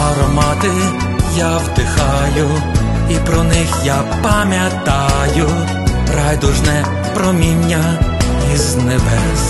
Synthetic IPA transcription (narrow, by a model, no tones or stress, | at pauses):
ɐɾɔmɑt̪ɪ | jawd̪ɪxɑjʊ | ipɾɔnɪxja | pɐmʲjɐt̪ɑjʊ | pɾajd̪ʊʒnɛ | pɾɔmʲinʲːɐ | iznebɛs